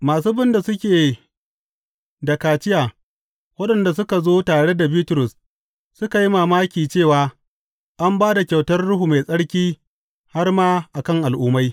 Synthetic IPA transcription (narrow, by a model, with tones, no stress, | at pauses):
maː˨s̬uː˦bɪ˦nda˨sʊ˦kʲeː˨ | dɐ˨kaː˨t͡ʃɪ˦jaː˨ | wɐ˦ɗɐ˨nda˨s̬ʊ˦ka˨zoː˦taː˨ɽe˦da˨biː˦tʊ˨ɾʊ˨s | sʊ˦ka˨ji˦maː˨maː˦kʲiː˨t͡ʃeː˦˨waː˨ | ʔa˦mbaː˦da˨kʲa˨wtɐ˦rɽʊ˦ɦu˨ma˨sʼɐ˦ɽkʲiː˦ | ha˦rmaː˦ʔa˨kɐ˦ŋʔa˨lʔuː˦ma˦j